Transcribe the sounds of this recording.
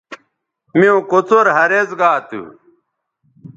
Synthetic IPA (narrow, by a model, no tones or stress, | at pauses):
miõkot͡soɾɦɐɾezɡaːt̪ṵ